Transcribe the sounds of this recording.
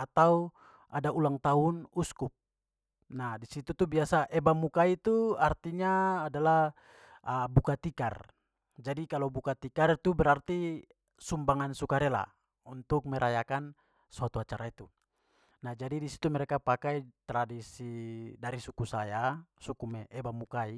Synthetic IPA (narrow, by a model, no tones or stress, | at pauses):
at̪au | ʔadaʔulaŋt̪aunuskup̚ | nahdisit̪ut̪ubiasaʔɛbamukait̪uart̪iɲaːdalah | əbukat̪ika̰r | d͡ʒadikalobukat̪ikarit̪ubɛɾart̪i | sumbaŋansukaɾɛla̰ | unt̪uk̚mɛɾʔajakan | suat̪uat͡ʃaɾait̪u | nahd͡ʒadidisi̥t̪umɛɾɛkapakajt̪ɾadisidaɾisukusajasukumɛʔɛbamukai